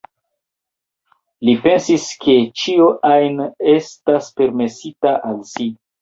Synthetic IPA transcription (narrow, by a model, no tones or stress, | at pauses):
lipe̞nsiske̞t͡ʃioʔajne̞staspe̞ɾme̞sitaʔalsi